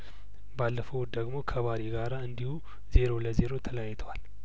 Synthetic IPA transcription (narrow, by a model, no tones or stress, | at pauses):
balːəfəwt̪̚d̪əɡmo̞kʰəβaɾeɡaɾaɨnd̪ihu | ze̞ɾo̞ləze̞ɾo̞t̪ʰələjajːt̪ʰəwal